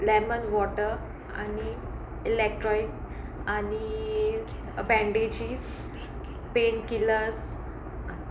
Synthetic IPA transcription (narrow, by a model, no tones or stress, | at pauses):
lɛmənʋɔʈəɾ | a̰ni | ilek̚ʈɾɔik̚ | ani | bɛ̃ɳɖed͡ʑiːs | penkiləs | a